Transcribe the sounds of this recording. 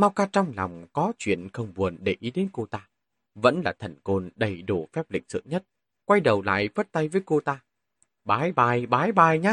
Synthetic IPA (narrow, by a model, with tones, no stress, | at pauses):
ma˧wkaː˧t͡ɕɔ˧wŋ͡mla̰˨˩wŋ͡mkɔ˨˦t͡ɕwḭ˧˨ənxə˧wŋ͡mɓu˨˩ənɗe˧˩ʔi˨˦ɗe˨˦nko˧t̪aː˧ | və̰˧˥nlaː˨˩t̪ʰə˨˩nko˧nɗə˨˩jɗo˧˩fɛ˦˥p̚lḭ˧˨ŋ̟̚sɨ̰˧˨ŋɲə˦˥t̚ | kwa˧jɗə˨˩wla̰ː˧˨jfə˦˥t̚t̪a˧jvəː˨˦jko˧t̪aː˧ | ɓaː˨˦jɓaː˨˩jɓaː˨˦jɓaː˨˩jɲaː˧